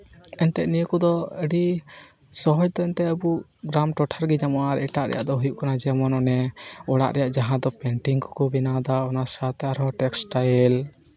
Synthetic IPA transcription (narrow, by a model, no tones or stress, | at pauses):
ɛnt̪ɛʔnijəkud̪ɔəɖi | sɔɦɔd͡ʒd̪ɔɛnt̪ɛəbu | ɡɾamʈɔʈʰaɾɡɛd͡ʒamɔaɾɛʈaʔɾɛ̰ja̰ʔd̪ɔɦujuʔkanad͡ʒɛmɔnɔnɛɔɽa̰ʔɾɛjaʔd͡ʒaɦãd̪ɔpɛɳʈiŋkɔ̥kɔbinad̪aɔnasat̪ɛaɾɔʈɛksʈajl